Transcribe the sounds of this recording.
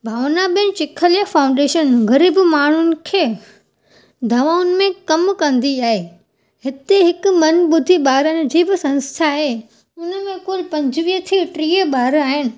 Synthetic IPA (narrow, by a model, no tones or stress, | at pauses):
bʱaːʋnabɪə̃nt͡ɕɪkʰəljəfaːʊ̃ɳɖeːʃənɣɐɾiːbmaːɳ̤ʊnɪ̆kʰeː | d̪ʱɐʋaːʊnmẽkɐmkɐ̃nd̪iaːɦeː | ɦɪt̪eɦɪk̆mɐnɓʊd̪ʱiɓaːɾənɪ̆d͡ʑiːbɪsɐ̃nst̪ʰaɦe | ʊnəmẽkʊlpɐ̃ɲd͡ʑʋiːɦət̪ʰiːʈɾiːəɓaːɾaːɦɪñɪ̆